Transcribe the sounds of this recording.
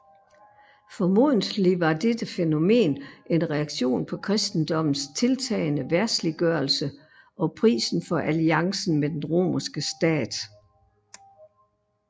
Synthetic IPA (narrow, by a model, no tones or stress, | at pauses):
fɒ̽mo̝ð̰ˠn̩liʋɑ̈d̥ed̥əfeno̝me̝̰ːnʔe̝nʁɛɑ̈ɡ̥ɕo̝̰ːnpʰɒ̽kʰʁɛsd̥n̩d̥ɒ̽m̰n̩st͡sʰe̝lt͡sʰɛ̰ːɪnəʋæɐsliɡ̥ɶɐlsə | ʔɒ̽pʰʁḭːsn̩fɒ̽ʔæliɑ̈ŋsn̩med̥enʁo̝̰ːmɐsɡ̥əsd̥ɛ̰ːd̥